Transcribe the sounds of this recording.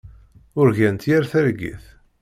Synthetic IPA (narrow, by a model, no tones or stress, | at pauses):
ʊɾʝænt̪jæɾθæɾɡḭθ